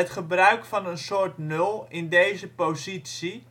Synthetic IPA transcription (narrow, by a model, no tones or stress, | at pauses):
ətχəbrœɥkfɑnənsʊːrtnølˠɪndejzəpozitsi